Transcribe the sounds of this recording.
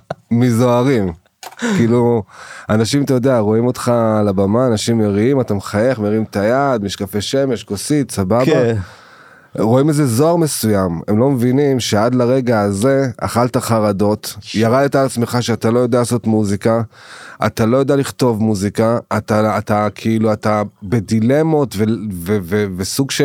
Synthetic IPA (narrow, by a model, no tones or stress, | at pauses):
mizo̞aʁim | kiːluanaʃimatajo̞d̪eaʁo̞imo̞t̪χalabamaːnaʃimːeʁiimat̪amχajeχmeʁiimt̪ajad̪miʃkafe̞ʃe̞me̞ʃkosit̪sababa | ʁo̞imeze̞zo̞aʁme̞sujame̞mlo̞mevinimʃe̞ad̪laʁe̞ɡaːze̞a̰χaltaχaʁado̞t̪jaʁad̪et̪alat͡smeχaʃeat̪alo̞jodealaso̞t̪muzikaa̰t̪alo̞jod̪ealiχto̞vmuzikaːt̪aːt̪akʰiiluatabe̞dile̞mo̞tvevevevesuɡʃe